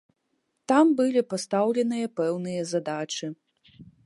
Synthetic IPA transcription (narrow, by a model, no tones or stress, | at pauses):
t̪ambɨlʲipast̪awlʲɛnɨjɐpɛwnɨjɐzad̪at͡ʂɨ